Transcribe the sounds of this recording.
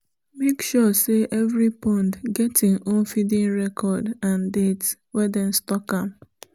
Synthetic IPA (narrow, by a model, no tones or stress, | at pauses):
mekʃɔseʔɛvɹipɔ̃ndɡɛtĩnõnfidĩnɹɛkʰɔdãndet | wɛdɛ̃nstɔkãm